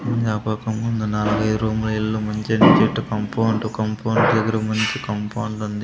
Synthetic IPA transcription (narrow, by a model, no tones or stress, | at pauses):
mɐɲd͡ʒaːpɐːkɐmkund̪ɐnɐluɡɐjd̪uɾuːmulɐiɭːuːmɐɲt͡ʃenit͡ʃeʈːukɐmpɐwɳɖukɐmpʰɐwɳɖd̪ɐɡɐɾɐkmɐɲt͡ʃikɐmpɐwɳɖund̪i